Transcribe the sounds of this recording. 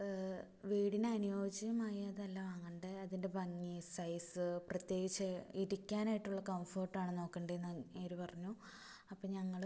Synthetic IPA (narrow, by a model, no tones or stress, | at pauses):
ʋiːɽineɐnujoːd͡ʑɐjɐmaːjɐɐðɨɐlːɐʋaːŋːeɳɖɨɐðinde̞bʱɐŋːisɐjsɨprɐt̪je̞ːɡit͡ɕːɐiɾikʲːaːnaːjiʈːuɭːɐkɐmfo̞ːrʈːaːɳɨno̞ːkːeɳɖɐenːeːɾupɐrɐɲːu | ɐpːoːɲɐŋːɐɭ